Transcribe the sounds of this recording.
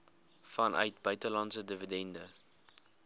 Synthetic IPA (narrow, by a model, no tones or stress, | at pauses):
fɐnœ̰ɥtbœɥtəlɐnsədəvədɛndə